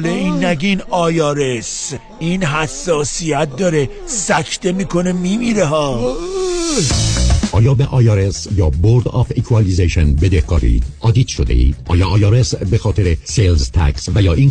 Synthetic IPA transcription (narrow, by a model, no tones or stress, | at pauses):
leinːæɡinɒːjɒːɾes | iːnɦæsːɒːsiæt̪̚d̪ɒːɾe | sækʰt̪emiːkʰonemimiːɾeɦɒː | ʔɒːjɒːbeʔɒːjɑːɾesjɒːboɾd̪ɒ̰fekʰuɑlizeʃenbed̪ehɡɒ̰ːɾḭːd̪̥ɒːd̪iːt̪ʃod̪ḛḭːd̪̥ʔɒ̰ːjɒːjɒːɾesbexɒːt̪ʰeɾeselzt̪ʰæ̰ksvæjɒːʔiːn